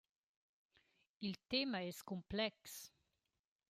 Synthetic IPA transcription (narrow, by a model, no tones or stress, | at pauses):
ilt̪emaɛskumplɛks